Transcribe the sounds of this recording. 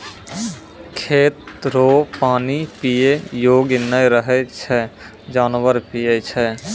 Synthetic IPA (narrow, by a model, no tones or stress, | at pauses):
kʰeːt̪ɾopaːnipijejoːɡɪnəjɾəɦɛt͡ʃʰɛ | d͡ʒaːnʋəɾpijet͡ʃʰɛ